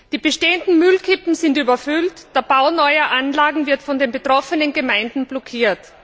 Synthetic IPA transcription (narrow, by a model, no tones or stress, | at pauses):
d̥iːbəʃteːəndn̩mʏlkʰɪpm̩zɪntyːbɐfʏltd̥eːɐb̥aʊnɔʏɐʔanlaːɡŋ̩vɪɐtfɔndeːnbetʁ̥ɔfənənɡəmaɪndn̩blɔkʰiːɐt